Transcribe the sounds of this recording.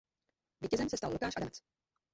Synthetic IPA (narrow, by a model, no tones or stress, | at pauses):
viːcɛzɛmsɛst̪allukaːʃʔadamɛt͡s